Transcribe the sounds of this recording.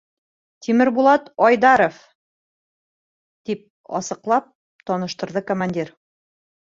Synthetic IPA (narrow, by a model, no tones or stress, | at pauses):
t̪ʰimɘɾbulˠɑt̪ɒjd̪ɑɾof | t̪ip̚ | ɒ̰sɤ̆qlˠɑp̚ | t̪ɒnɤ̆ʃt̪ɤ̆ɾðɤkomanʲdʲiɾ